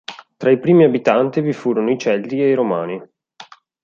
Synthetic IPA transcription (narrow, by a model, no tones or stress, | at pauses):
t̪ɾaipɾiːmiabit̪ant̪ivifuːɾonoit͡ʃɛld̪ieiɾomaːni